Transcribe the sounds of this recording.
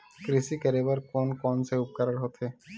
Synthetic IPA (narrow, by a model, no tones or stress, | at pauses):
kɾisikɛɾebaɾkɔnkɔnseup̚kaɾaɾɦot̪ʰe